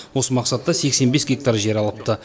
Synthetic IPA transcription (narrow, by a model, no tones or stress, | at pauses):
wo̞səmɑqsɑt̪ːɑse̞kse̞nbe̞sɡʲek̚t̪aɾʒe̞ɾɑlˠəp̚t̪ə